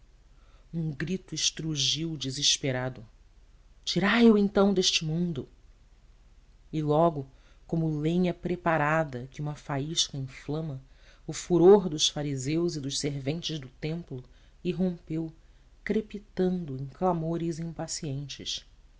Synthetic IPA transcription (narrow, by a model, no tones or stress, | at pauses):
ũŋɡɾit̪ʊɪʃt̪ɾuʒiwd͡ʒiziʃpeɾad̪ʊ | t͡ʃiɾajuwẽnt̪ɐ̃w̃d̪eʃt͡ʃɪmũnd̪ʊ | ɪlɔɡʊ | kõmʊlẽɲɐpɾepaɾad̪ɐkɪũmɐfaiʃkɐĩflɐ̃mɐʊfuɾoɾd̪ʊsfaɾizewzɪd̪ʊʃseɾvẽnt͡ʃɪzd̪ʊt̪ẽmplʊ | iɦõmpew | kɾepit̪ɐ̃nd̪ʊẽj̃klamoɾɪzĩmpasiẽnt͡ʃɪ̰ʃ